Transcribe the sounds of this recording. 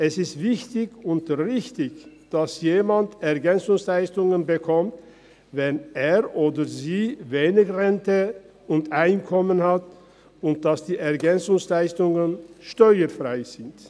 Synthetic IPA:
ʔɛsɪstv̥ɪçtɪçʊntʁɪçtɪçd̥asjeːmantɛʁɡɛnt͡sʊŋslaɪstʊŋənbəkʰɔmt | vɛneːʁʔoːdəziːveːnɪçʁɛntə | ʊntʔaɪnkʰɔmənhat | ʊnt̚d̥asd̥iːɛɐɡɛnt͡sʊŋslaɪstʊŋənʃtɔʏəfʁaɪz̥ɪnt

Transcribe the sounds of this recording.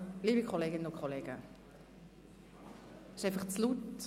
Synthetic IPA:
liːbikʰχoleːɡɪnənʊkʰχoleːɡə | ɪ̥ʃaɪfɐχt͡slut

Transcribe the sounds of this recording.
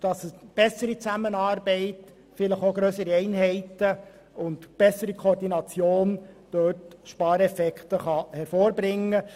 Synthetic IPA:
d̥ɑsəb̥ɛsːəɾit͡sæmənɑːɾbɛɪt | fɪləχoɡɾœsəɾiɛɪnɦɛɪtə | ʊndb̥ɛsːəɾikʰoɾdinɑt͡sjoːnd̥øːtʃpɑːɾɛfɛkχt̪əχɑhɛɾfoːɾbɾɪŋːə

